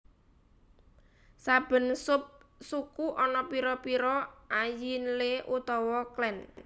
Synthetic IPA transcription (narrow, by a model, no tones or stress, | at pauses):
sab̥ə̤nsʊp̚sukuʔɔnɔpiɾɔpiɾɔajinleʔut̪ɔwɔklɛn